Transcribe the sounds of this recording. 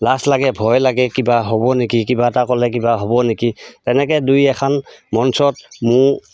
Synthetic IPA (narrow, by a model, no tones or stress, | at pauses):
laslaɡɛbʱɔjlaɡɛkibaɦobɔnekikibatakɔlɛk̬ibaɦɔbɔnekitɛnɛkɛdujɛkʰanmɔnsɔt̚mʊ